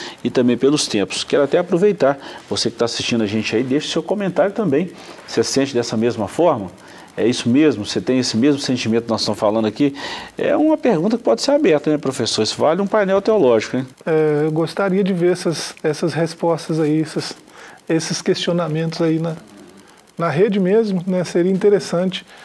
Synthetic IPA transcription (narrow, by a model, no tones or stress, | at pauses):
ɪt̪ɐ̃mbẽj̃pelʊst̪ẽmpʊ̥skɛɾʊat̪ɛapɾovejt̪aɾvosekɪ̥t̪aːsi̥st͡ʃĩd̪ʊɐʒẽnt͡ʃɪɐid̪eʃʊ̥sewkõmẽnt̪aɾjʊt̪ɐ̃mbẽj̃sesẽnt͡ʃɪd̪ɛsɐmezmɐfɔɾmɐ | ɛ̰isʊmezmʊset̪ẽj̃esɪmezmʊsẽnt͡ʃimẽt̪ʊknɔz̥st̪ɐ̃msfalɐ̃nd̪akiɛ̰ũmɐpeɾɡũt̪ɐkɪ̥pɔd͡ʒɪ̥seɾabɛɾt̪ɐnɛpɾofesoɾɪsɪvalɪũpajnɛwt̪eolɔʒikʊɛ̃ɛewɡost̪aɾiɐd͡ʒɪveɾɛsɐsɛsɐshespɔst̪ɐzaiɛsɐs | esɪskest͡ʃionamẽnt̪ʊzainɐ | nɐɦed͡ʒɪmezmʊnɛseɾiɐĩt̪eɾesɐ̃t͡ʃɪ̥